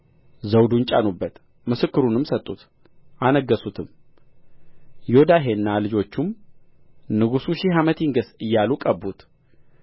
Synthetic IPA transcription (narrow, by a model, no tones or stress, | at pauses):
zəwd̪unt͡ʃʼanubːət̪ | mɨsɨkːɨɾunɨmsət̪ʼːut̪ | ʔanəɡːəsut̪ʰɨm | jod̪aɦe̞nːalɨd͡ʒo̞t͡ʃːum | nɨɡusuʃiɦamət̪ʰiŋɡəsɨjːalukʼəbut̪